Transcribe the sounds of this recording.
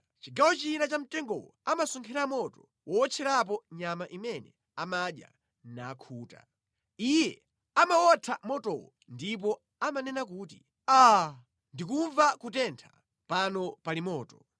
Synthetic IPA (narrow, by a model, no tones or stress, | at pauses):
t͡ʃiɡawɔt͡ʃinat͡ʃam̩tɛŋɡɔ̰wɔamasuŋkʰɛɾamɔtɔ | wʔɔɔt͡ʃʰɛɾap̬ɔɲamaʔimɛnɛ̰ | amaɗja̰ | nakʰuːta̰ | ijɛ | amawɔtʰamɔtɔ̰wɔ̰ | ndip̬ɔ | amanɛnak̬uːti | a | ndikuɱvakutɛntʰḁ | panɔpalimɔːtɔ